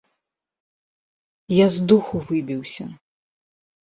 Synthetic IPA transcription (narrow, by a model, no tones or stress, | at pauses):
jazd̪uxuvɨbʲiwsʲɐ̰